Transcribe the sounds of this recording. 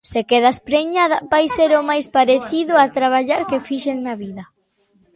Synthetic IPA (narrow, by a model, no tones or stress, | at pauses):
sekeð̞aspɾeɲaðɐbajseɾʊmajspaɾeθiðʊat̪ɾaβ̞aʎaɾkefiʃeŋnaβiðɐ